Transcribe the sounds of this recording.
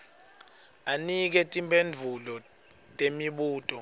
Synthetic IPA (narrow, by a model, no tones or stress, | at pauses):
anik̬ɛtʼimbʱʼend͡vʱulɔ | tʼemiɓuːtʼɔ